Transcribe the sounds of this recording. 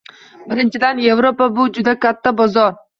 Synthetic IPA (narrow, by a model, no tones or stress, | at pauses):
bɪɾɪnt͡ʃʰɪd̪anje̞vɾopabʊd͡ʒʊd̪akʲʰat̪ʰːabɒzɒɾ